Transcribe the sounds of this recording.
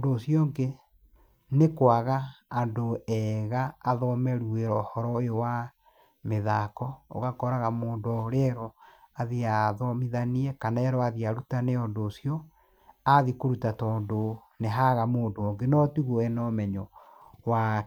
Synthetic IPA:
doːsiɔŋɡe | nekwaɣaːndoɛɣaːðɔmɛɾueɾɔhɔɾɔejowa | meðakɔo̰ɣakɔɾaɣamoːndɔɾɛɾɔaðiaðɔmiðaniɛkanaɛɾɔaðiaɾutaneɔndoːsiɔ | aðikoɾutatɔːndo | neɦaɣamoːndoɔŋɡenɔtuɣɔɛnɔmɛɲɔ | wa

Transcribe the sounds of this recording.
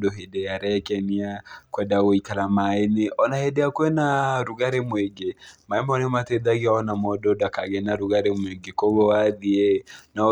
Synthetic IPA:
doɦedejaɾɛkɛniakwɛndaɣoikaɾamaeneʔɔnahedeakwɛnaɾuɣaɾemweŋɡemaɛmɔnemateðaɣiaɔnamɔdɔdakaɣɛnaɾuɣaɾemweŋɡekoβɔwaðiena

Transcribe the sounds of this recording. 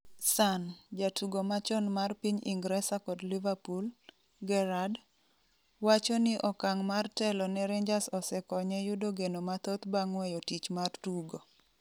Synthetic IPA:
sand͡ʒatʰuɡomat͡ʃɔnmarpiɲḭŋɡɾɛsakɔdlivapul | ɡɛɾad | wat͡ʃɔnɪʔɔkaŋmartɛlɔnɛɾɛɲd͡ʒasɔsɛkɔɲɛjʊdoɡenomat̪ot̪baŋwɛjotit͡ʃmartuɡo

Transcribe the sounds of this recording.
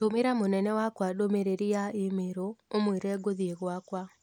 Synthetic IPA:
tomeɾamonɛnɛwakwadomeɾeɾijaemeɾoomweɾɛːɡoðieɣwakwa

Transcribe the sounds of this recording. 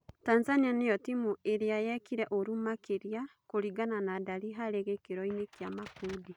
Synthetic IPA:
tanzanianeɔtimueɾeajɛkiɾɛʔoɾumakeɾjakoɾiɡananadaɾiɦaɾeɣekeɾɔinekjamakudi

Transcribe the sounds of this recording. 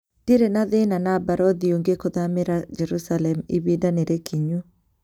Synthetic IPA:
d̥iɾenaðenanabaɾɔðioŋɡekoðameɾad͡ʒɛɾusalɛmiβidaneɾekʰiɲu

